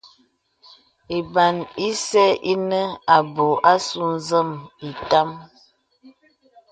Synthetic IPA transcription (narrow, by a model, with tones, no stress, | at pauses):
e˨ba˨ni˦sɛ˦ʔi˦nə˦a˨bo˨ʔa˦su˦n˦zə˦˨mi˨ta˦m